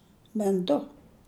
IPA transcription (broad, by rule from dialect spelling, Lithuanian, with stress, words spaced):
bʲɛn ˈdʊ